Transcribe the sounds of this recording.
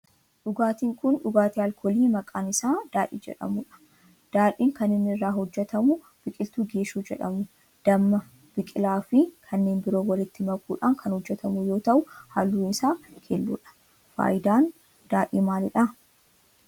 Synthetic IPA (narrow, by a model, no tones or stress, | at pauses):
ᶑʊɡaːt̪iːŋkʊnᶑʊɡaːt̪iɐlkʰɔːliːmɐkʼaːnɪsaːd̪̥aːᶑḭːd͡ʒɛ̰ᶑɐ̰mʊᶑɐ̥ | d̪̥aːᶑiːŋkɐnɪnːɪɪrːaːhɔd͡ʒːɛt̪ɐmʊ | b̥ɪkʼɪlt̪uːɡe̞ːʃuːd͡ʒɛ̰ᶑɐ̰mʊ | d̪̥ɐmːɐ | b̥ɪkʼɪlaːfɪkʰɐnːe̞ːnbɪɾo̞ːwɐlɪt̪ːɪmɐkʼuːᶑaːŋkʰɐnhɔd͡ʒːɛt̪ɐmʊjo̞ːt̪ɐʔʊhaːlːunɪsaːkʰelːṵːᶑɐ̥ | fa̰ːjɪd̪aːn | d̪̥aːᶑiːmaːlɪᶑɐ